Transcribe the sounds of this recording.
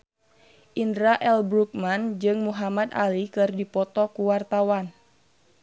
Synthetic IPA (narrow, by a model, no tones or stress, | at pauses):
ʔindɾaʔɛlbɾuk̚mand͡ʒɨŋmuɦamad̪a̰likɨrdipɔt̪ɔkuwart̪awan